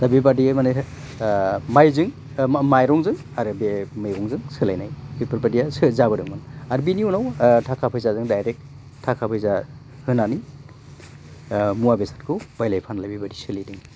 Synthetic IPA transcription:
labibadimanɯ | majzɯŋ | majɾɔŋzɯŋ | aɾɯbemɯjɡɔŋzɯŋsɯlajnajipɯɾpadijasɯzabɯdɯŋmɯnaɾbiniunawtʰakʰapʰɯjzazɯŋdajɾek̚ | tʰakʰapʰɯjza | hɯnani | muabesḁtkʰɯbajlajpʰanlabibadisɯlijdɯŋ

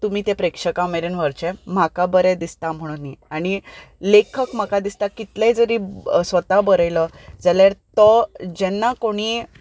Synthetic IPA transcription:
t̪um̤iːt̪ẽpɾekʂəkameɾenʋəɾt͡ɕɛ̃m̤akabəɾɛd̪ist̪am̤əɽ̃uniaɽ̃ilekʰəkm̤akad̪ist̪akit̪lɛ̃d͡zəɾiːsʋət̪abəɾəjləd͡zaljaɾt̪ɔd͡ʑɛnːakoɽ̃iː

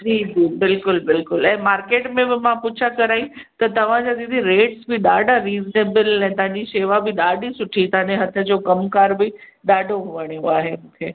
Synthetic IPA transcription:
d͡ʑiːd͡ʑiːbɪlkʊlbɪlkʊlɛ̃ːmaːɾkeːʈmẽbɪmãpʊt͡ɕʰakɐɾaːĩt̪ɐt̪ɐʋ̤ãd͡ʑad̪id̪iɾeːʈsbɪɗaːɖʱaɾiːzneːbəlɛ̃ːt̪ɐ̃ɦãɲd͡ʑiʃeːʋabɪɗaːɖʱisʊʈʰit̪ɐɦãɲd͡ʑeɦɐt̪ʰə̆d͡ʑoːkɐmkaːɾbɪ | ɗaːɖʱoɦʊʋəɽ̃ijõaːɦemʊ̃ːkʰeː

